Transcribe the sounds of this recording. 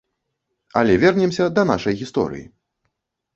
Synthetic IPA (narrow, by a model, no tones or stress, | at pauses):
ɐ̰lʲɛvʲɛrnʲɛmsʲɐd̪ɐnaʂɐjɣʲist̪ɔ̰ɾɨ̰jḭ